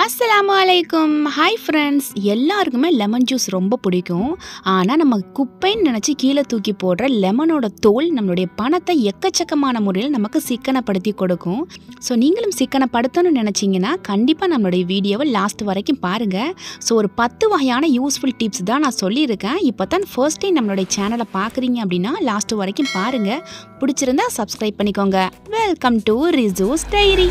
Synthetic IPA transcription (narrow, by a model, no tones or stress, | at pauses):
ɐsːɐlaːmɐɐlɐɪkːʊmhɐɪfɾɛɳɖsɛlːaːɾɯkːɯmeːlɛmɐnd͡ʒjuːsɾɔmbɐpʊɽɪkʲːʊ̃aːnaːnɐmːɐkʊpːɐɪnnɪnɛt͡ʃːɯkiːlɐt̪uːkːipoːɽɾɐlɛmɐnoːɽɐt̪oːlnɐmːɐlʊɽɐjɐpɐɳɐt̪ːɐɛkːɐt͡ʃːɐkːɐmaːnɐmʊɾɪjlɐnɐmɐkːɯsɪkːɐɳɐpːɐɽɯt̪ːikɔɽɯkːʊ̃soːniːŋɡɐɭɯmsɪkːɐɳɐpːɐɽɯt̪ːɐnːɯnɪnɛt͡ʃːɪŋɡɐnːaːkɐɳɖɪpːaːnɐmːɐɭoːɽɐjɐʋiːɽɪjoːʋɐlaːsʈɯʋɐɾɐkːɯ̃mpaːɾɯŋɡɐsoːɔɾɯpɐt̪ːɯʋɐɣɐjaːnɐjuːsfʊlʈɪpst̪ãːnãːsɔlːiɪɾɯkːẽːɪpːoːt̪ãːfɐɾsʈːɐɪnɐmːɐɭoːɽɐjɐt͡ʃaːnɐlɐpaːɾkɯɾiːŋɡɐɐp̬ːɐɽɪnːaːlaːsʈɯʋɐɾɐkːɯ̃mpaːɾɯŋɡɐpʊɽɪt͡ʃːɪɾɯnd̪aːsɐbskɾɐɪb̚pːɐɳːɪkːoːŋɡɐʋɛlkɐmʈuɾɪzuːst̪ɛjɾi